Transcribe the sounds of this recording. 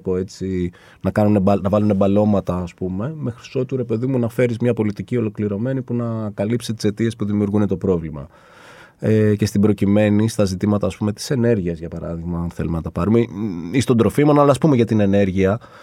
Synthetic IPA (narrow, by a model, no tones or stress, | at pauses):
po̞e̞t͡si | nɐkɐnunebɐnɐvɐlunebɐlo̞mɐt̪ɐːspume̞me̞xɾi̥so̞t̪uɾe̞pe̞ðimunɐfe̞ɾizmɲɐpo̞lit̪icio̞lo̞kliɾo̞me̞nipunɐkɐlipset̪i̥se̞t̪ie̞spuðimiuɾɣune̞t̪o̞pɾo̞vlimɐ̰ | ece̞st̪ibɾo̞cime̞nist̪ɐzit̪imɐt̪ɐːspume̞t̪i̥se̞ne̞ɾʝiɐzʝɐpɐɾɐ̰ðiɣmɐɐnθe̞lumenɐt̪ɐpɐɾumeist̪o̞nd̪ɾo̞fimonɐlɐːspume̞ʝɐt̪ine̞ne̞ɾʝiɐ